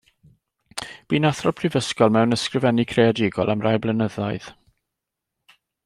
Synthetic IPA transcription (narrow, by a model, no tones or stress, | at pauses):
b̥iːnaθrɔpʰrɪvəskɔlˠmɛwnəskrɪvɛnikʰreadɪɡɔ̰lˠamrajblˠənəða̰jð̥